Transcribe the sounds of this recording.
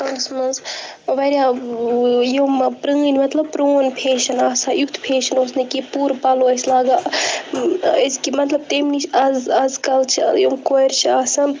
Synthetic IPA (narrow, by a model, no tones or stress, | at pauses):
ɐŋsmɐnz | ʋɐɾʲja | joːmpɾɐ̃ːnʲmɐt̪lɐb̚pɾoːnpʰeːʃɐnaːsɐjukt̪ʰpʰeːʃɐnoːsnikipuːɾpɐloːɐsʲlaːɡa | iskimɐt̪lɐb̚t̪emnit͡ʃɐzɐzkɐlt͡ʃʰijomkoːjɾt͡ʃʰiaːsɐn